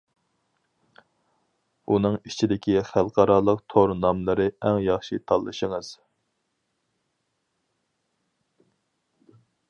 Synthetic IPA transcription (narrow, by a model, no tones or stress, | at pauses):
unɨŋit͡ʃʰid̪ɪkʲʰiχælˠqʰɑɾɑːlˠəqt̪ʰoɾnɑmlˠɨɾɨɛŋjɑχʃit̪ʰɑlˠːɨʃəŋɨz̥